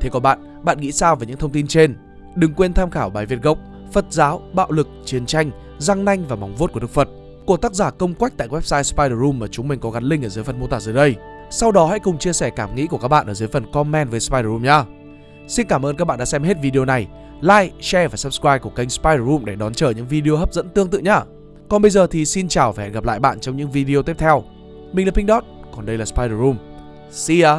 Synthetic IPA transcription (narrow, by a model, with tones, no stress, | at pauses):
t̪ʰe˨˦kɔ˨˦ɓa̰ː˧˨n | ɓa̰ː˧˨nŋḭ˧˥saː˧wva˨˩ɲɨ̰˧˥t̪ʰə˧ŋ͡mt̪i˧nt͡ɕe˧n | ɗɨ˨˩ŋkwe˧nt̪ʰaː˧mxaː˧˩wɓaː˨˩jvi˨˩ət̚ɣə˨˩wk͡p̚ | fə˨˩t̚zaː˨˦wɓa̰ː˧˨wlɨ˨˩k̚t͡ɕi˨˦ənt͡ɕa˧jŋ̟ | za˧ŋna˧jŋ̟vaː˨˩ma˨˩wŋ͡mvu˦˥t̚ku˧˩ə˨ɨ˦˥k̚fə˨˩t̚ | ku˧˩ət̪aː˦˥k̚zaː˧˩kə˧wŋ͡mkwa˦˥k̚t̪a̰ː˧˨wɛ˦˥p̚saː˧jspaː˧jɗə˧u˧mːaː˨˩t͡ɕʊ˨˦ŋ͡mmï˨˩ŋ̟kɔ˨˦ɣa˨˦nlï˧ŋʔəː˧˩zɨː˨˦jfə˨˩nmo˧t̪a̰ː˧˩zəː˨˦jɗə˧j | sa˧wɗɔ˨˦ha̰˧˥jkʊ˨˩ŋ͡mt͡ɕi˧əsɛ˧˩kaː˧˩mŋḭ˧˥ku˧˩əkaː˦˥k̚ɓ̰a̰ː˧˨ʔəː˧˩zə˨˦jfə˨˩nkɔ˧mːɛ˧nvəː˨˦jspa˧jɗə˨˧˩u˧mɲaː˧ | si˧nkaː˧˩mʔəː˧nka˦˥k̚ɓaː˧˨ɗa̰ː˧˥sɛ˧mɦe˦˥t̚vi˧i˧o˧na˨˩j | laː˧jt͡ɕɛ˧vaː˨˩sə˦˥p̚skwaː˧j̚ku˧˩əka˧jŋ̟spaː˧jɾə˧˩u˧mɗe˧˩ɗɔ˨˦nt͡ɕəː˧˩ɲɨ̰˧˥ŋvi˧ɗi˧o˧ɦəː˦˥p̚zə̰˧˥nt̪ɨ˧əŋt̪ɨ̰˧˨ɲaː˧˩ | kɔ˨˩nɓə˧jzəː˨˩t̪ʰi˨˩si˧nt͡ɕaː˨˩wva˨˩hɛ̰˨˩ɣp̚la̰ː˧˨jɓa̰ː˧˨nt͡ɕɔ˧wŋ͡mɲɨ̰˧˥ŋvi˧ɗi˧o˧t̪i˦˥p̚t̪ʰɛ˧w | mi˨˩ŋla˨˩pi˧ŋɗɔ˦˥t̚kɔ˨˩nɗə˧jlaː˨˩spaː˧jɗə˨˩u˧m | si˧aː˧